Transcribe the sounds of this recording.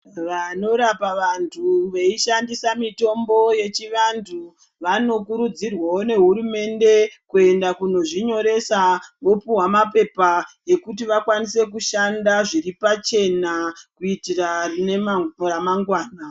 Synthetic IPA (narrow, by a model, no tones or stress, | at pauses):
ʋano̞ɾapaʋantʰuʋeiʃandisamito̞mbo̞je̞t͡ʃiʋantʰu | ʋano̞kuɾud͡zirwaone̞ɦuɾume̞nde̞kue̞ndakuno̞ʐiɲo̞ɾe̞saʋo̞puwamape̞paje̞kutiʋakwanise̞kuʃandaʐiɾipat͡ʃe̞nakuitirane̞maoɾamaŋɡwaːna